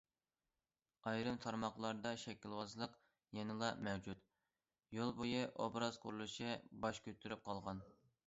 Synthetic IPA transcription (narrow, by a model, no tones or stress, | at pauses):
ɑjɾɨmt̪ʰɑɾmɑχlˠɑɾd̪ɑʃɛkʲʰːilwɑzlˠəq | jɛnɨlˠɑmɛwd͡ʒut̪ | jolˠbojɨʔobɾɑz̥qʰʊɾulˠɨʃɪbɑʃkʲʰøt̪ʰːyɾyp̚qʰɑlˠʁɑn